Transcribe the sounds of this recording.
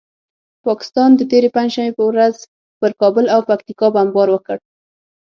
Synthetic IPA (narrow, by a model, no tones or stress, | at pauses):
pɑkɪ̥st̪ɑnd̪ət̪eɾepand͡ʒʃambepəwɾaz | pəɾkɑbʊlawpak̚t̪ikɑbambɑɾwəkəɽ